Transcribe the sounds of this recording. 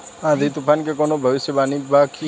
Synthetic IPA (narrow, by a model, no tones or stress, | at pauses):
ãd̪ʱit̪upʰankekonobʱəʋɪsjəbaːnibaki